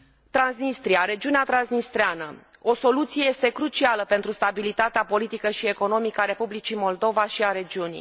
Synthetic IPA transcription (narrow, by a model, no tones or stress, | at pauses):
t̪ɾansnist̪ɾiaɾe̞d͡ʒiuneat̪ɾansnist̪ɾeanə | o̞so̞lut̪sije̞je̞st̪e̞kɾut͡ʃialəpe̞nt̪ɾust̪abilit̪at̪eapo̞lit̪ikəʃie̞ko̞no̞mikəaɾe̞publit͡ʃimo̞ld̪o̞vaʃiaɾe̞d͡ʒiunḭ